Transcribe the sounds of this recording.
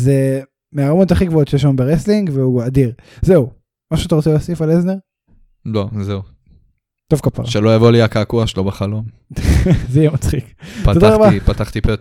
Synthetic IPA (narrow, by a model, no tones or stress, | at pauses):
ze | meaʁmoot̪aχiɡvoot̪t͡ʃʃejeʃlambeʁesliŋɡveuad̪iʁzeu | maʃuat̪aʁot͡selasifalezneʁ | lozeu | t̪ovkapa̰ʁʃelojavo̞liakakuaʃelobeχalo̞m | zejemat͡sχiktt̪oaʁaabaipat̪aχt̪ipe